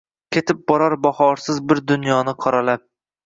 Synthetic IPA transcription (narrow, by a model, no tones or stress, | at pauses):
kʲʰet̪ʰɪp̚bɒɾaɾbɒhɒɾsɪzbɪɾd̪ʊnjɒnɪqʰɒɾalap̚